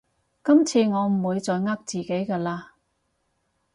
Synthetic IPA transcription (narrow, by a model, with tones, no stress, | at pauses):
kɐ˥mt͡sʰiː˧ŋɔː˨˧m̩˨˩wuː˨˧jt͡sɔː˨˧jŋɐ˥k̚t͡siː˨ke˨˥jkaː˧laː˧